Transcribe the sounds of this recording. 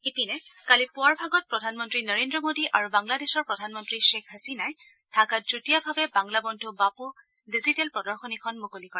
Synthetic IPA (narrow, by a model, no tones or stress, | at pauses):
ipinɛkalipʊaɹbʱaɡɔt̚pɹɔdʱanmɔntɹinəɹendɹɔmodiʔaɹubaŋladesɔɹpɹɔdʱanmɔntɹiʃekʰɦasinaj | tʰakatutijabʱabɛbaŋlabɔntubapu | dizitɛlpɹɔdɔɹxɔnikʰɔnmukolikɔɹɛ